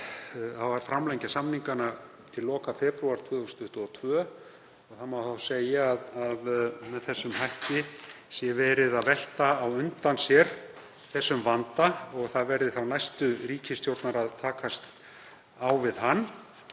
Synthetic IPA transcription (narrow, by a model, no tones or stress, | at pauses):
θaðvaɾ̥fɾamlɛjɲcasamniŋkana | t̪ʰɪllːɔːkafɛpɾuaɾ̥t̪ʰvœːðʏst̪ʰʏht̪ʏɔt̪ʰvœː | ɔɣθamawθawsejaːðaðmɛðθɛsːʏmɦajhc̪ɪsjɛvɛːɾɪðaðvɛl̥t̪aːwʏnt̪ansjɛɾ̥ | θɛsːʏmvant̪aɔɣθaðvɛɾðɪθawnajst̪ʏriːcɪst̪jowɾt̪naɾaðt̪ʰaːkast̪ | awvɪðɦanː